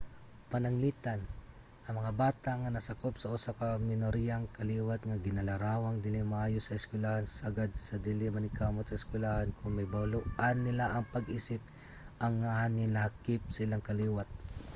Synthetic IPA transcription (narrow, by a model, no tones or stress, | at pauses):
pɐnɐŋliːt̪an | ʔɐŋmɐŋabaːt̪aʔŋanɐsakopsɐʔʊsakɐmɪnoɾijaŋkɐliːwat̪̚ŋaɡɪnɐlɐɾaːwaŋd̪ɪlɪmaʔaːjosːɐɪskwɪlahansaɡad̪̚sɐd̪ɪlɪmɐnɪkamot̪̚sɐɪskwɪlahankʰʊŋmɐjbawlʊʔanːɪlaʔɐŋpɐɡʔiːsɪp̚ | ʔɐŋːahanɪlahkɪp̚sɪlaŋkɐliːwat̪̚